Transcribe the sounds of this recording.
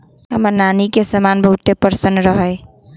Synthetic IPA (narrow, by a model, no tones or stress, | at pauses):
ɦə̰mənanikesəmanbʱʌɦut̪epəɾsənɾʌɦʌj